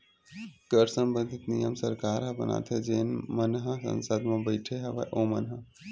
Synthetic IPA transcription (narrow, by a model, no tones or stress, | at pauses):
kəɾsəmbənd̪ʱit̪nijəmsəɾkaːɾɦɐbəna̰t̪ʰed͡ʒeːnmənɦəsə̰nsəd̪mãbəɪʈʰeɦeʋa̰ʔomənɦə